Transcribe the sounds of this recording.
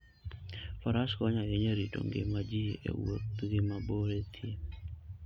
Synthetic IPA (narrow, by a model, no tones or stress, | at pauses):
fɔɾaskɔɲajeɲeɾito̰ŋɡḛmad͡ʒiḛwo̰tɡɪmaboɾet̪ʰje